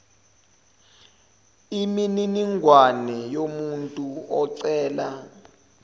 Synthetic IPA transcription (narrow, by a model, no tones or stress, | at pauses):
imininiŋɡʱwanɛjomuntʼuɔǀɛːla